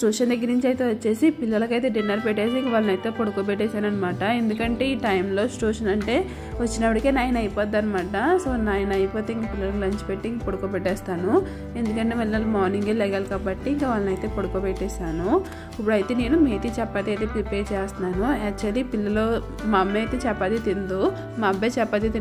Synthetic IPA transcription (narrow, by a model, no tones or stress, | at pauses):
sʈuːʂɐnd̪ɐɡːiɾniɲt͡ʃiɐjt̪e̞ːʋɐt͡ʃːe̞ːsipilːɐlɐkɐjt̪e̞ːɖinːɐɾpeʈːeːsiiŋkɐʋaːlɐnɐjt̪e̞ːpoɽukoːpeʈ̬ːeːʃaːnɐnːɐmaːʈɐe̞nd̪ukɐɳʈe̞ːiːʈɐjmlo̞ːsʈuːʂɐnɐɳʈe̞ː | ʋɐt͡ʃːinɐpːɐɽikeːnaːjɐnɐjipoːd̪ːɐnːimaːʈɐsoːnaːjɐnɐjipoːt̪e̞ːiŋkɐpilːɐlɐkulɐɲt͡ʃi̥peʈːiiŋkɐpoɽukoːpɛʈːɛːst̪aːnu | e̞nd̪ukɐɳʈeːmɐlːɐlɐmaːɾniŋɡelɛɡɐːlkaːbɐʈːiːŋkɐʋaːlɐnɐjt̪e̞ːpoɽukoːpeʈːeːʃaːnu | ip̬ːuɽɐjit̪e̞ːne̞ːnumiːt̪it͡ʃɛpːat̪iɐjt̪eːpɾipeːɾt͡ʃeːst̪unaːnuet͡ʃːɐd̪ipilːɐloː | mɐmːeːt̪eːt͡ʃɛpːɐd̪it̪ind̪u | mɐbeːt͡ʃɛpːad̪it̪i